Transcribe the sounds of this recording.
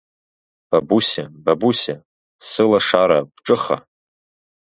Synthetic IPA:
b̥abusababusa | sɨlaʂaɾab̥ʈ͡ʂʼɨχa̰

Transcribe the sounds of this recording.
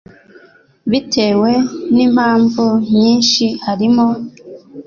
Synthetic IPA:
βitʰe̞ːwe̞nim̥haːɱvumɲiːnʃihaɾimo

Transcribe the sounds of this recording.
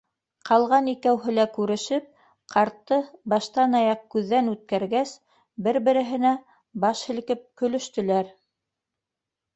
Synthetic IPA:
qʰɑlˠʁɑnikæwɦɘ̆lækʉɾɘ̆ʃɘp̚ | qʰɑɾt̪ːɤbɑʃt̪ɑnɑjɑqkʉðːænʉt̪̚kæɾɡæs | bɘɾbɘ̆ɾɘ̆ɦɘ̆næ | bɑʃhɘ̆lkɘp̚kɵ̆lɵ̆ʃt̪ɵ̆læɾ

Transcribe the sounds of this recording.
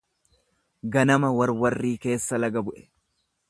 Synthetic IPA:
ɡɐnɐmɐwɐɾwɐrːiːke̞ːsːɐlɐɡɐbʊʔɛ̥

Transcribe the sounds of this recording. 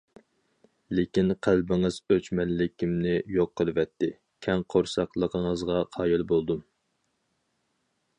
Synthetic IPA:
lɪkʲinqʰælbɪŋɨz̥øt͡ʃmɛnlɪkʲʰːimnɪjoqʰːəlˠɨvɛt̪ʰːɪ | kʲʰɛŋqʰoɾsɑqlˠəqʰəŋəzʁɑqʰɑːjilbolˠd̪um

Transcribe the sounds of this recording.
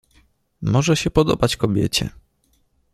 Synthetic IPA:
mɔʐɛɕɛpɔd̪ɔbat͡ɕkɔbʲjɛ̰t͡ɕɛ̰

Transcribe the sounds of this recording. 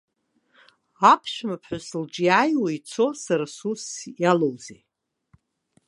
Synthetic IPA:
apʰʃᶣmapʰħʊsɨld͡ʒʼijajwait͡sʰo̞saɾasusjalowzḛ

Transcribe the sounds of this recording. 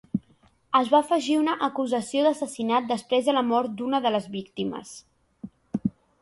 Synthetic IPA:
əzβaəfəʒiunəʔəkuzəsioðəsəsinat̪̚d̪əspɾezðələmɔɾt̪̚d̪unəðələzβikt̪imə̰s

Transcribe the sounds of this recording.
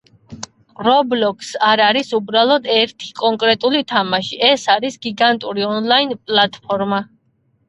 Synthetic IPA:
ɾɔblɔkʼsaɾaɾisubɾalˠɔd̪ɛɾt̪ʰi̥kʼɔŋkʼɾɛt̪ʼulit̪ʰamaʃiʔɛsaɾisɡiɡant̪ʼuɾiɔnlˠainpʼlˠat̪ʼpʰɔɾma

